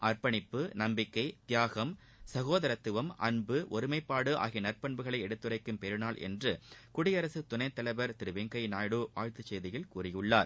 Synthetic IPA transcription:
ʔɐɾpɐɳɪpːɯnɐmbɪkːɐɪt̪jaːɣɐm | sɐɣoːðɐɾɐt̪ːɯʋɐmʔɐ̰nbɯʔɔɾɯmɐɪpːaːɽɯʔa̰ːɣinɐɾpɐɳbɯɣɐɭɐɪɛɽɯt̪ːɯrɐɪkːɯmpɛɾɯnaːɭʔɛ̰ndrɯkʊɽɪjɐɾɐsɯt̪ʊnɐɪt̪ːɐlɐɪʋɐɾt̪ɪɾɯʋeːŋkɐɪnaːjɽuːʋa̰ːɻt̪ɯt͡ʃːeːðɪjɪlkuːrɪjɯɭːaːɾ

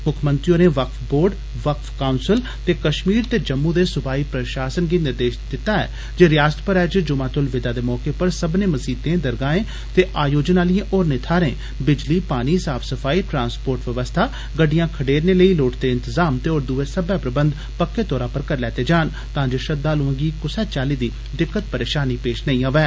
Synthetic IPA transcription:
mʊkʰmə̃nt̪ɾijõːneːʋəkfʰboːɾɖ | ʋəkfkaːnsɪl | t̪eːkəʃmiːɾt̪eːd͡ʒəmːũːd̪eːsʊbaːiːpɾəʃaːsənɡiːnɪɾd̪eːʃd̪ɪt̪ːaːɛ̰ː | d͡ʒeːɾɪjaːst̪pəɾɛːt͡ʃd͡ʒʊmãːt̪ʊlʋɪd̪aːd̪eːmɔːkeːpəɾsəbnẽːməsiːd̪ẽːd̪əɾɡaːẽː | t̪eːʔaːjoːd͡ʒnaːlɪjẽːʔoːɾnɪt̪ʰaːɾẽː | bɪd͡ʒliːpaːniːsaːbʰsəfʰaːiːʈɾãːnspoːɾʈʋəʋəst̪ʰaː | ɡəɖijãːkʰəɖeːɾneːləiːloːʈt̪eːɪ̃nt̪əzaːmt̪eːoːɾd̪uːeːsəbɛːpɾəbənd̪ | pəkːeːt̪ɔːɾãːpəɾkəɾlɛːt̪eːd͡ʒaːn | t̪ãːd͡ʒoːʃəd̪aːloə̃ːɡiːkʊsɛːt͡ʃaːliːd̪iː | d̪ɪkːət̪̚pəɾeːʃaːniːpeːʃnəĩːaːʋɛː

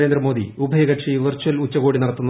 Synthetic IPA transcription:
eːnd̪ɾɐmo̞ːd̪ḭubʱɐjɐɣɐʈʂiʋɐrt͡ɕːuɐlut͡ɕːɐɣoːɽinɐɽɐt̪ːunː

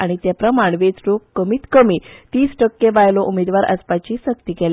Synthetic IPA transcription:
aɽ̃it̪japɾəmaɳʋet͡sɾokːəmiːt̪kəmiːt̪iːsʈəkːeʋajlɔʔumed̪ʋaɾʔə̰spat͡ɕiːsək̚t̪iːkɛl

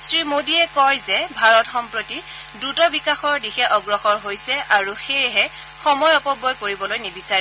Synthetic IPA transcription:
sɹimodiɛkɔjzɛbʱaɹɔtxɔmpɹotidutɔbikaxɔɹdixɛʔɔɡɹɔxɔɹɦojsɛʔaɹuxejɦɛ | xɔmɔjɔpɔbɔjkoɹibɔlojnibisaɹɛ

